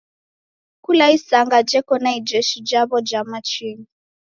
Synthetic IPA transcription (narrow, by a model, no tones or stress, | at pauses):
kulaisaŋɡad͡ʒɛkɔnaid͡ʒɛʃid͡ʒaβɔd͡ʒamat͡ʃiŋi